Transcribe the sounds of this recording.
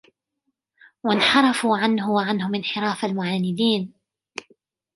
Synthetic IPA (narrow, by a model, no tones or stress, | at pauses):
wanħɑɾˤɑfuʕanɦʊwaʕanhʊmɪnħɪɾaːfalmʊʕaːnɪd̪iːn